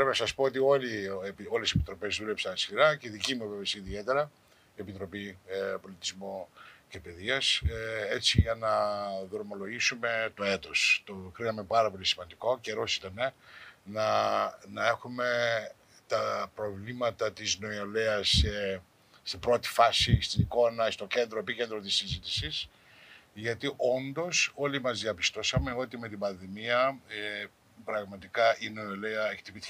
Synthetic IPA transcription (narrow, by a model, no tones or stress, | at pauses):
pɾepinɐsɐspoot̪io̞liepio̞lesepi̥t̪ɾo̞pe̞zðule̞psɐnɐskiɾɐceðicimuevevesiːðie̞t̪e̞ɾɐ | epit̪ɾo̞pipo̞lit̪izmoce̞pe̞ðiɐse̞t͡siʝɐnɐðɾomo̞lo̞ʝisume̞t̪o̞e̞t̪o̞st̪okɾinɐme̞pɐɾɐpo̞lisimɐnd̪iko̞ce̞ɾo̞si̥t̪ɐnenɐnɐe̞xume̞ | t̪ɐpɾo̞vlimɐt̪ɐt̪izno̞ioleɐse | st̪ibɾo̞t̪i̥fɐsist̪iniko̞nɐst̪o̞ce̞nd̪ɾoepicend̪ɾo̞t̪isːizit̪isis | ʝɐt̪iʔo̞nd̪o̞so̞limɐzðiɐpist̪o̞sɐme̞o̞t̪ime̞t̪̬ibɐnðimiɐe | pɾɐɣmɐt̪ikɐʔino̞oleɐeçe̥t̪ibit